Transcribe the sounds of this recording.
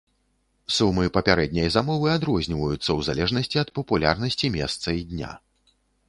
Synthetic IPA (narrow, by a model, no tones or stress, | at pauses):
sumɨpɐpʲaɾɛd̪̚ʲnʲɐjzamɔvɨad̪ɾɔzʲnʲivɐjut̪sːɐwzalʲɛʐnɐsʲt͡sʲiɐt̪pɐpulʲa̰rnɐsʲt͡sʲimʲɛst̪sɐid̪ʲnʲa̰